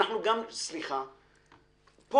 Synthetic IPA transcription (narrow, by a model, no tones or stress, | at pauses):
aχnuɡamsliχa | po